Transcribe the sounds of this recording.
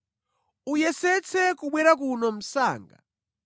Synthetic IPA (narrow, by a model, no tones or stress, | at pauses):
ujɛsɛt͡sʰɛkuɓwɛɾakunɔm̩sa̰ːŋɡa